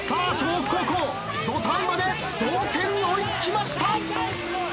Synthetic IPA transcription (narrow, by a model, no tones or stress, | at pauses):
saːɕoːkokoː | d̪ot̪ãmbad̪e̞ | b̪oːk̪ẽ̞ɲːioit͡sɨ̥kʲimaɕi̥t̪a